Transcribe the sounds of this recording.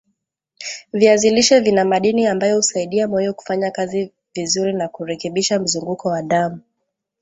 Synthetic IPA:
viaziliʃɛvinamaɗiniambajɔhusaiɗiamɔjɔku̥faɲakazi | vizuɾinakuɾɛkɛɓiʃam̩zuŋɡukɔwaɗamu

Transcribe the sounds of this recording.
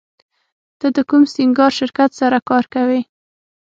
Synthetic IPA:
d̪̥əd̪əkumsɪŋɡɑɾʃɪɾkat̪saɾakɑɾkawi

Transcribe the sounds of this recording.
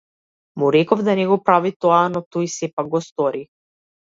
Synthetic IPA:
muɾɛkɔvd̪anɛɡɔpɾavit̪ɔanɔt̪ɔjsɛpaɡ̚ɡɔst̪ɔɾi

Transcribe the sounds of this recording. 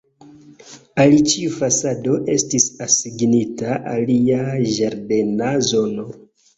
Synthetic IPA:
alit͡ʃiufasado̞ʔe̞stisasiɡnitaʔaliaʒaɾde̞nazo̞no̞

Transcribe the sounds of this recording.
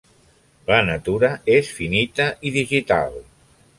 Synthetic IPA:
lənət̪uɾəesfinit̪əʔiðiʒit̪a̰lˠ

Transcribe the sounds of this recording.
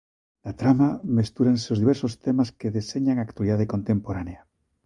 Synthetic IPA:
d̥̪at̪ɾamamest̪uɾanseozðiβɛɾsost̪emaskeðeseɲaŋakt̪waliðað̞ekont̪empoɾanea

